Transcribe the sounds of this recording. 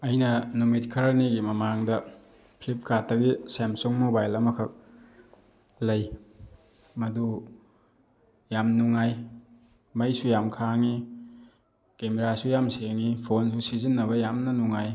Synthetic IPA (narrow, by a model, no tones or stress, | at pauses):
ɐjnɐnumitkʰɐɾɐniɡimɐmaŋdɐ | pʰlip̚ʰkatːɐɡisemsoŋmobajlɐmɐkʰɐk̚ | lɐj | mɐdu | jamnuŋːaj | mɐjsujamkʰaŋi | kemeɾasujamseŋipʰonsusizinːɐβɐjamnɐnuŋaj